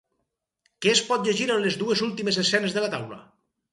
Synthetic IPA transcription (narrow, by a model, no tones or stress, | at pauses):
kɛːspɔt̪̚ʎeʒiɾənlezðuezulˠt̪imezesɛnezðəlat̪awlə̰